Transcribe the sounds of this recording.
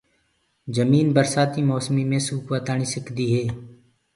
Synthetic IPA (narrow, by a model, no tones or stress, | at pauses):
d͡ʒəmiːnbəɾsaːt̪iːmɔːsmiːmẽːsuːkʋət̪aːɳ̃iːsɪkd̪iːɦeː